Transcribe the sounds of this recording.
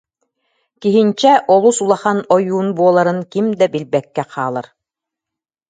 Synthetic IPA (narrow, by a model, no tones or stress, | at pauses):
kiɦint͡ɕɛʔɔlˠusulˠaχanɔjuːnbuɔlˠaɾɯnkimd̪ɛbilbɛkːɛqʰaːlˠaɾ